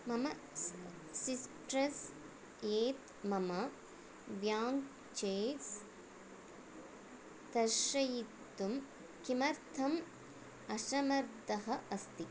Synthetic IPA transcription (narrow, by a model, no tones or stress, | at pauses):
mɐmɐ | sisʈɾɐs | jeːt̪ | mɐmɐ | ʋjaːŋk | t͡ʃeːs | t̪ɐʃɐjit̪ːum | kimɐɾt̪ʰɐm | ɐʃɐmɐɾd̪ɐɦɐʔɐst̪i